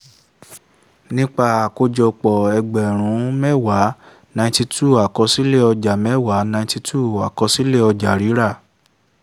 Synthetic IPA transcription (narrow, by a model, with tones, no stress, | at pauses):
nĩ˦k͡pa˦˧˨ko˧d͡ʒɔ˧k͡pɔ˨ɛ˧ɡ͡bɛ˨ɾ̃ũ˨˦mɛ˦wa˨˦ | nã˧ĩ˧˦ti˧tʰu˦˨a˨kɔ˨˧˦si˦le˦˨ɔ˧d͡ʒa˨mɛ˦˨wa˨˦nã˧ĩ˧ti˧tʰu˦˨a̰˨kɔ˨˧˦si˦le˦˨ɔ˧d͡ʒa˨ɾi˨˦ɾa˦˨